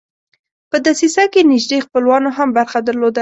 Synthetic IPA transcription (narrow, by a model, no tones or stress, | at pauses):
pəd̪asisakenɪʒd̪expəlwɑnoɦambaɾxad̪əɾlod̪a